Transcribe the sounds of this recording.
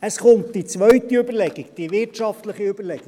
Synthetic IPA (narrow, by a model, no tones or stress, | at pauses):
əsχʊntd̥it͡svœɥtiøbəɾlɛɡikd̥ivɪɾtʃɑftləχiøbəɾlɛɡ̥ɪ